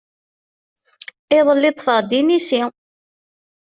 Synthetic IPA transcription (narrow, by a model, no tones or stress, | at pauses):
ɪðˤəlːɪt̪ˤfəʁd̪inisi